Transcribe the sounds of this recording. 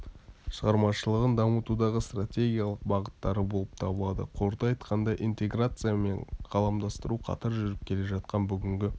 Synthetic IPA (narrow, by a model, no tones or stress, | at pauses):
ʃəʁɑɾmɑʃəlˠəʁənd̪ɑmət̪ud̪ɑʁəst̪rat̪ʲe̞ɡʲijalˠəq̚bɑʁət̪ːɑɾəbo̞lˠəp̚t̪ʰɑbəlˠɑd̪ə̰qʰo̞ɾd̪ɑɑjt̪qʰɑnd̪ɑʔijnt̪e̞ɡrat̪sɨjame̞ɴqʰɑlˠɑmd̪ɑst̪əɾuqʰɑ̰t̪ɑɾʒʏɾɪp̚kʲʰe̞le̞ʒɑt̪qɑnbʏɡʲɪŋɡʲɪ